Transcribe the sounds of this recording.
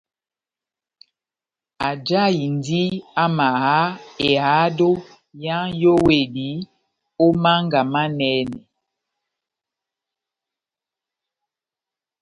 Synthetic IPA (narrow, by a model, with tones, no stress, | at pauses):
a˨d͡ʒa˦i˨ndi˦a˦ma˨ɦa˦e˨ha˨˦do˦ | ja˦ŋjo˦we˨di˨˦ | o˦ma˦ŋɡa˨ma˦nɛː˦nɛ̰˨